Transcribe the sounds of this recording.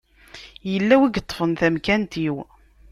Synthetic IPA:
jəlːæwiɡət̪ˤːfənθæmkænt̪iw

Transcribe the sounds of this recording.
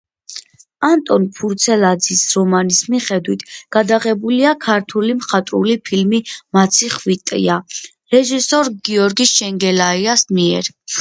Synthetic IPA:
ant̪ʼɔnpʰuɾt̪sʰɛlad̪zisɾɔmanismiχɛd̪wit̪ʰɡ̥ad̪aʁɛbuliakʰaɾt̪ʰulimχat̪ʼɾṵlipʰilmimat̪sʰiχvit̪ʼḭa | ɾɛʒisɔɾɡiɔɾɡiʃɛŋɡɛlaiasmiɛ̰ɾ

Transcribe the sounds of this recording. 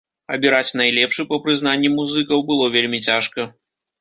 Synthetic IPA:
ɐbʲiɾat͡sʲnɐjlʲɛpʂɨpɐpɾɨzn̪anʲːimuzɨkɐwbɨlˠɔvʲelʲmʲit͡sʲaʂkɐ

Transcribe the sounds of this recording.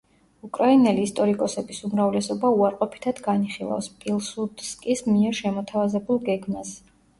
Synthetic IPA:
ukʼɾainɛliːst̪ʼɔɾikʼɔsɛbisumɾavlɛsɔbauaɾqʼɔpʰi̥t̪ʰad̪̥ɡaniχilˠa̰fspʼilˠsud̪skʼismiɛɾʃɛmɔt̪ʰavazɛbulˠɡɛɡmas

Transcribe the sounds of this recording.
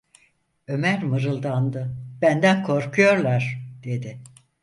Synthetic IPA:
ø̞mæɾmɯɾɯlˠd̪and̪ɯbænd̪ænkʰo̞ɾkʰujo̞ɾlˠaɾ̥d̪̥e̞d̪ɪ

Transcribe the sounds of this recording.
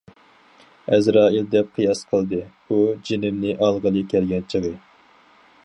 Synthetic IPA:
ɛzɾɑːild̪ɛp̚qʰɨjɑsqʰəlˠd̪ɨ | ud͡ʒinɪmnɪʔɑlˠʁəlˠɨkʲʰɛlɡʲɛnt͡ʃʰəʁə

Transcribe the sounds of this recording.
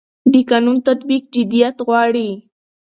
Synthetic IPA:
d̪ɪkanunt̪at̪bik̚d͡ʒɪd̪ijat̪ɣwɑːɽi

